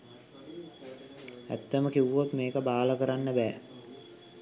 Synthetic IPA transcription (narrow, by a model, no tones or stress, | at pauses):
æ̰t̪ːəməkiʋʋot̪meːkəbaːləkəɾanːəbɛː